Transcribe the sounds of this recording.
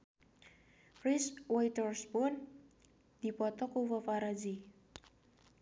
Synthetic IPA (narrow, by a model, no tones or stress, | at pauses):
riswajt̪ɔrsbɔn | d̪̥i̤pɔt̪ɔkuwəfaɾad͡ʒi